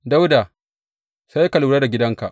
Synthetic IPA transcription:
da˦wda˨ | sa˦jkɐ˨luː˨ɽaː˦da˨ɡʲɪ˦dɐ˦ŋka˨ʔ

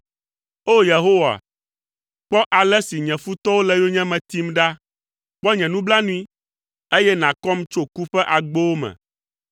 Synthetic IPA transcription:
o˦je˨ɦo˦wa̰˨ | k͡pɔ˦ʔa˨lɛ˦si˨ɲɛ̃˨fu˦t̪ɔ˦wo˦lɛ˦jo˦ɲɛ̃˦mɛ̃˨t̪i˦mɖa˦ | k͡pɔ˦ɲɛ̃˨nũ˦bla˦nũ˦i˦ | e˦jɛ˦nã˨kɔ˦mt͡ʃo˦ku˦ɸɛ˦ʔa˨ɡ͡bo˦wo˦mɛ̰̃˨

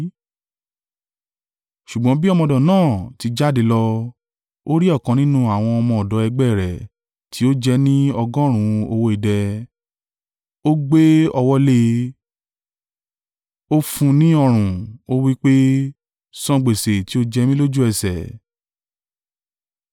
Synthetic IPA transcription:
ʃu˨ɡ͡bɔ̃˨˦bi˦ɔ˦˧mɔ̃˧˨dɔ̃˨nãː˦˨ti˨˧d͡ʒa˦˨de˧lɔ˧ | o˦ɾi˦ɔ˦˨kã˨˧nĩ˦nũ˦a˨w̃ɔ̃˧ɔ˧mɔ̃˧ɔ˨dɔ˨˦ɛ˧ɡ͡bɛ˦˨ɾɛ˨ | tʰi˨˦o˦d͡ʒɛ˧nĩ˦ɔ˧ɡɔ̃˦ɾ̃ũ˧˨o˧wo˧i˨dɛ˧ | o˦ɡ͡be˦ɔ˧wɔ˦le˦ | o˦fũ˧nĩ˦ɔ˧ɾ̃ũ˨o˦wi˦k͡pe˦ | sɔ̃˦ɡ͡be˨se˨ti˨˦o˦d͡ʒɛ˧mĩ˦lo˦d͡ʒu˦ɛ˧sɛ̰˨

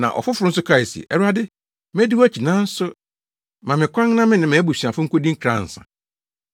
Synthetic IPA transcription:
nã̰˨ʔɔ̰˨fʊ˦fʊ˨ɾʊ˦n̩˦s̬ʊ˦kʰɾa˦i˨stḭ˨ʔɛ˦ɾa˦dɪ˦ | m˦e˦di˦wæ˦t͡ɕʰi˨nãː˦n̩˦sʊ˦ | mã˨mɪ̃˨kʰʷã˦ŋnã˦mɪ̃˦nɪ̃˨mɛ˨˦bu˨si˨a˨fʊ˦ŋ̩˦ko˦dĩ˦kʰɾã̰˦˨n̩˨sã̰˨

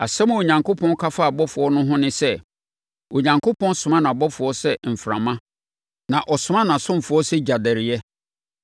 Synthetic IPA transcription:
a˨sɛ˦m̃˨wo˨ɲã˨ŋkʊ˦pʰɔ̃˦n˦kʰa˦fa˦˨bɔ˦fʊ˨ɔ˦nʊ̃˦ɦʊ̃˦nɪ̃˦sɛ˦ | o˨ɲã˨ŋkʰo˦pɔ̃˦nsʊ̃˨mã˦nã˨bɔ˦fʊ˨ɔ˦sɛ˦m̩˨fɾã̰˨mã˦ | nã˨ʔɔ˨sʊ˨mã˦nã˨sʊ̃˦m˨fʊ˨ɔ˦sɛ˦d͡ʑa˨dɛ˨ɾɪ˨jɛ˦

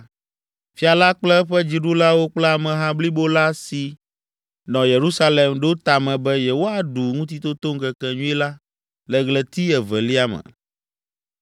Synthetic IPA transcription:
fi˦a˨la˦k͡plɛ˦ɸɛ˦d͡ʑi˨ɖu˦la˦wo˦k͡plɛ˦a˨mɛ̃˨ɦã˦bli˦bo˦la˦si˨ | nɔ̃˨je˨ɾu˦sa˦le˨mɖo˦o˦t̪a˨mɛ̃˨bɛ˦jɛ˨wo˦a˨ɖu˨ŋũ˦t̪̬i˦t̪o˦t̪o˦ŋ̩˦kɛ˨kɛ̃˨ɲũ˦i˦la˦ | lɛ˨ɡlɛ˨t̪i˦ɛ˨vɛ˨li˦a˦mɛ̰˨

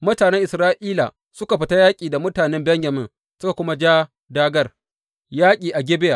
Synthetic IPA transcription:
mʊ˦taː˨nɛ˦ŋʔɪ˨sɾaː˦ʔiː˦la̰ː˨ | sʊ˦ka˨ɸɪ˨˦ta˦jaː˦kʲʼiː˨da˨mʊ˦taː˨nɛ˦mbɛ˦ɲjɐ˨mɪ˦ŋ | sʊ˦ka˨kʷʊ˦ma˦d͡ʒaː˦ | daː˦ɡɐ˦r | jaː˦kʲʼiː˨ʔa˨ɡʲɪ˦bɪ˦ja˨

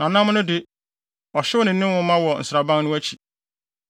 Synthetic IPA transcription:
nã˨nã˦m˦nʊ̃˦dɪ˦ | ɔ˨ɕɪ˦wʊ˦nɪ̃˨n̩˦ɪ̃˦wʊ̃˦mã˦wɔ˨n̩˨sɪɾa˨bã˦ŋnʊ̃˦æ˦t͡ɕʰi̥˨

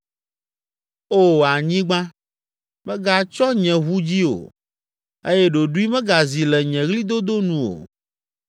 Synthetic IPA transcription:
o˦a˨ɲĩ˦ɡ͡bã˦ | mɛ̃˦ɡa˨t͡ʃɔ˦ɲɛ̃˨ɣu˦d͡ʑi˦o̰˨ | e˦jɛ˦ɖo˨ɖu˦i˦mɛ̃˦ɡa˨zi˨lɛ˨ɲɛ̃˨ɣli˦d̪o˦d̪o˦nũ˨o̰˨

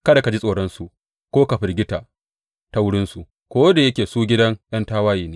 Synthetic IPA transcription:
kɐ˦da˨ka˨d͡ʒi˦sʼoː˨ɽɐ˦nsu˨ | kʷoː˦ka˨ɸɪ˨rɡʲɪ˦taː˨ | ta˦wʊ˦ɽɪ˦nsu˨ʔ | kʷoː˦da˨jɐ˦kʲeː˨suː˦ɡʲɪ˦dɐ˦ŋj̰ʔɐ˦ntaː˦waː˦jiː˨neː˦

